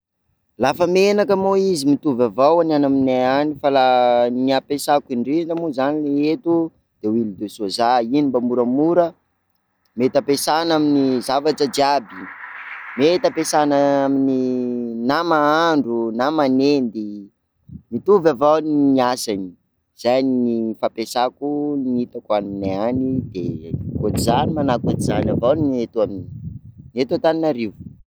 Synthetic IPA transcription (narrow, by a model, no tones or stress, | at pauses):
lafəmenakəmoizimit̪uvavawananamineanifalaniapesakiɳɖ͡ʐitamuzanileet̪u | d̪̥ewilud̪esozainimbamuɾamuɾə | met̪apesanaminizavaʈ͡ʂəd͡ʒiabi | met̪əpesanəamininamaaɳɖ͡ʐunamanend̪i | mit̪uvavawniniasani | z̥ajninifapesakunit̪akanineanid̪̥ḛkotizanimanakot̪izanavawnet̪uaminnet̪at̪aninaɾivu̥